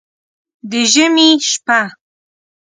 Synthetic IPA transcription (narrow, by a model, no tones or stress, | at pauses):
d̪eʒɪmiʃpa